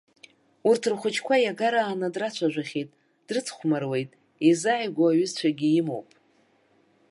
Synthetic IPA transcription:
urtʰɨrχʷʊt͡ʃʰkʷʰajaɡaɾaːnadrat͡ʃʷʰaʒᶣʷaχʲejtʼ | d̥rɨt͡sʰχʷʰmarwe̞jtʼ | izaʕajɡʷoaɥɪzt͡ɕʷʰaɡʲijɪmo̞̰wpʼ

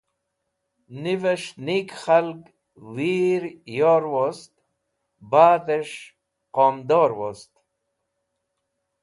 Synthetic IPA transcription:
niveʂnikχalɡ | wiɾjoːɾwost̪ | baːt̪eʂ | qoːmd̪oːɾwost̪

